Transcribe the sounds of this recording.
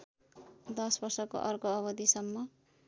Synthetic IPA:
d̪ʌsbʌrsʌko̰ʔʌrkoʌβʌd̪isʌmːʌ

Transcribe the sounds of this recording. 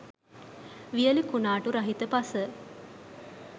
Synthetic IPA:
ʋijəlikunaːʈuɾɐɦit̪əpasə

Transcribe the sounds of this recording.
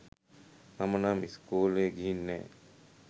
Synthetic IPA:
nɐmənaːmiskuːleːɡiɦinːɛ̰ː

